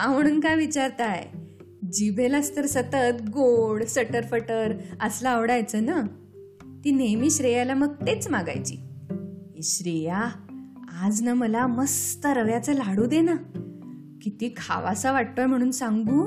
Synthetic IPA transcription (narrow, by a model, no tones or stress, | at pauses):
am̤əɽ̃uːnkajʋit͡ɕaɾt̪aj | d͡ʑibʱeləst̪əɾsət̪ət̪ɡoɽsəʈəɾfəʈəɾəslaːʋɽajt͡səːna | t̪iːnemiːɕɾejalaməɡt̪et͡smaɡa̰jt͡ɕḭː | iɕɾeja | ad͡znaməlaməst̪əɾʋjat͡səlaɽuːd̪ena | kit̪iːkʰa̰ʋasaʋaʈ̚t̪oajm̤əɽ̃uːnsãŋɡuː